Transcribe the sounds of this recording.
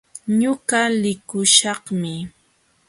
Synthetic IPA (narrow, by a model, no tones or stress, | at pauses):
ɲʊɢalɪkʊʃɑχmɪ